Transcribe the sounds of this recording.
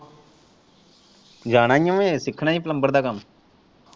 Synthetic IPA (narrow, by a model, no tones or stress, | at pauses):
d͡ʒaːɽ̃ãːjõːẽːsɪkʰnaːĩːpləmbəɾd̪aːkəm